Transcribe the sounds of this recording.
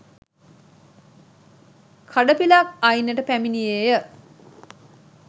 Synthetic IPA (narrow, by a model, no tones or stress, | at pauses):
kʰaɖəpilakajnːəʈəpæminijejə